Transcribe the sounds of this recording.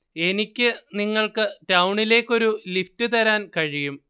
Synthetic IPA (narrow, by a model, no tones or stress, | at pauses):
e̞nikʲːɨniŋːɐɭkɨtɐwuɳile̞ːkʲːo̞ɾuliftɨt̪ɐɾaːnkɐɻijum